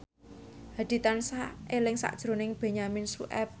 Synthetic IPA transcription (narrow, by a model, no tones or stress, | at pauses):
had̪̥i̤t̪ansaelɪŋsa̰ʔd̥ʒ̥ɾo̤nɪŋb̥e̤ɲaminsṵʔɛp̚